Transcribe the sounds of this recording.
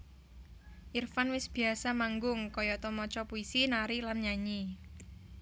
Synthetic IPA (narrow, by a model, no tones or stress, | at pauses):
ʔirfanwɪsb̥i̤asamaŋɡʊŋkɔjɔt̪ɔmɔt͡ʃɔpuisinaɾilanɲaɲi